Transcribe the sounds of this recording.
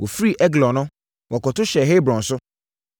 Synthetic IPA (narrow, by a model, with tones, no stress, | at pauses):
wʔo˨fɾi˦ʔɛ˦ɡlɔ̃˨nʊ̃˦ | wʔɔ˨kɔ˨tʊ˦ɕɛ˨ɦe˦bɾɔ̃˨n̩˨sʊ˦